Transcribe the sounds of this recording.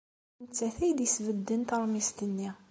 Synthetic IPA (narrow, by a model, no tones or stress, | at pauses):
nt͡sːæθæjd̪isvəd̪ːənt̪əɾˤmist̪ənːi